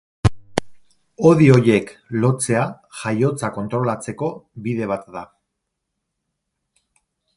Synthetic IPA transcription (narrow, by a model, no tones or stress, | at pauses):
o̞ðio̞je̞klo̞t͡se̞a | ʝajo̞t͡sako̞nt̪ɾo̞lat͡se̞ko̞biðe̞β̞at̪ða